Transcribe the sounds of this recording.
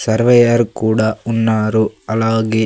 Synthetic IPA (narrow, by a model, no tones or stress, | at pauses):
sɐɾʋɛjɐɾkuːɽɐunːaːɾuɐlaːɡe